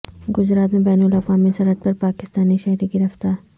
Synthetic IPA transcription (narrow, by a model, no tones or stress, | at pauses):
ɡʊzɾaːt̪mẽbɛːnʊlɐfʋaːmisɐɾət̪̚pɐɾpaːkɪst̪aːniʃɛɦɾiɡɪɾɐft̪aːɾ